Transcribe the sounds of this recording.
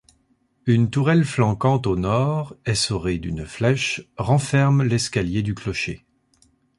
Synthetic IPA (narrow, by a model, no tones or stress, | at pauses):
ynt̪uʁɛlflɑ̃kɑ̃t̪onɔʁɛsɔʁed̪ynflɛʃʁɑ̃fɛʁmlɛskʲaljed̪yklɔʃe